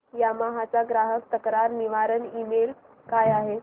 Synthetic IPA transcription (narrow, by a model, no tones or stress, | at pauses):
jamaɦat͡saɡɾaɦək̚t̪əkɾaɾniʋaɾənimel | kajaɦe